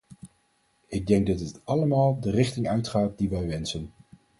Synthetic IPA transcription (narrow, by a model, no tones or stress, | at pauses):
ɪɡ̚dɛŋɡ̚dɑtətɑləmaːlˠdərɪχtɪŋœɥtχaːt̚diʋɛjʋɛnsən